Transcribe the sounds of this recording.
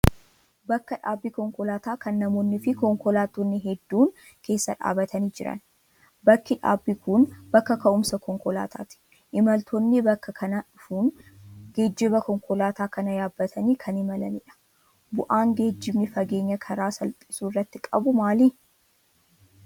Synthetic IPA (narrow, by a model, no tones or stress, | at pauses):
bɐkːɐᶑaːbːiːkɔŋkɔlaːt̪aːkɐnːɐmo̞ːnːɪfɪkɔŋkɔlaːt̪ːonːɪɦɛd̪ːuːŋ | ke̞ːsːɐᶑa̰ːbɐt̪ʰɐniːd͡ʒɪɾɐ̰n | bɐkːɪᶑa̰ːbːikʊnbɐkːɐkɐʔʊmsɐkɔŋkɔla̰ːt̪ʰa̰ːt̪ɪ̥ | ʔɪmɐlt̪ʰonːɪbɐkːɐkʰɐnɐʊfunɡeːd͡ʒːɪbɐkɔŋkɔlaːt̪aːkɐnɐjaːbːɐt̪ʰɐniːkʰɐnɪmɐlɐmɪᶑɐ̥ | bʊʔaːŋɡe̞ːd͡ʒːɪbnɪfɐɡe̞ːɲːɐkʰɐɾaːsɐlp̪ʼɪsuːrːɐt̪ːɪkʼɐbʊmaːli